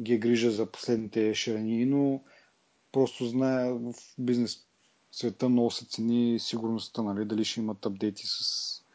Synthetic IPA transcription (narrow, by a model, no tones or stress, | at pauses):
ɡʲiɛɡɾiʒəzɐpo̥slɛd̪nit̪ɛʃɾɛniːno | pɾɔst̪oznajəvfbiznɛs | svɛt̪ənɔsɛ̥t̪sɛnisiɡʊɾnost̪ənɐlid̪ɐliʃɛimɐt̪ɐb̚d̪ɛjt̪i̥sɐ̥s